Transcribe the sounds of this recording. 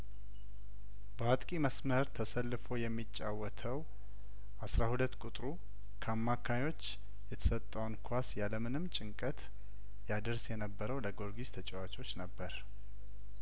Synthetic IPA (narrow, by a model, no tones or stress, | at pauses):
bəwat̪ʼkʼiməsməɾt̪ʰəsəlːɨfo̞jɛmːit͡ʃʼːawɔt̪ʰəw | ʔasɾahulət̪ːkʷʼut̪ʼɾu | kʰəamːakʰaɲo̞t͡ʃː | jɛt̪ʰə̥sət̪ʼːəwnkʰʷasjaləmɨnɨmt͡ʃʼɪŋkʼət̪ | jad̪əɾsjɛnəbːəɾəwləɡo̞ɾɡiz̥t̪ʰət͡ʃʼɛwat͡ʃʼo̞t͡ʃːnəbːəɾ